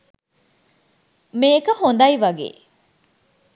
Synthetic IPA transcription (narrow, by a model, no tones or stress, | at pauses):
meːkɐhond̪ɐiʋɐɡḛː